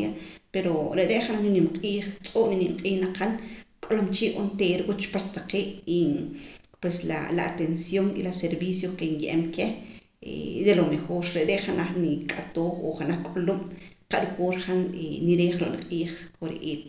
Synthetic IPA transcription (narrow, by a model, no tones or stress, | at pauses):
apeɾoɾeʔɾeʔχanaχninimqʼiːχt͡sʼoːʔninimqʼiːχnaqʰankʼolomt͡ʃiːʔʔont̪eːɾkut͡ʃpat͡ʃt̪aqeːʔi | pwesla̰la̰a̰t̪ensjonḭlaseɾbiːsjoskenjʔemke | ḛd̪elomexoːɾɾeʔɾeʔχanaχnikʼat̪oːχo̰χanaχkʼolomqaʔɾukoːɾχaneniɾeːχɾo̰ʔnḭqʼiːχkʰoɾḛʔeːt̪